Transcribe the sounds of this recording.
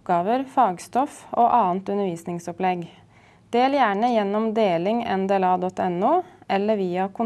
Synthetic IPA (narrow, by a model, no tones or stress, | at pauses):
ɡɑːʋəɾfɑːɡst̪ɔfoːʔɑːnt̪ʉnəɾʋiːsnɪŋsɔplɛɡ | d̪̥eːljæːɳəjɛnːɔmd̪eːlɪŋɛ̰nd̪eːlɑːd̪ɔt̪ɛnːuːʔɛlːəɾʋiːɑkʰʊ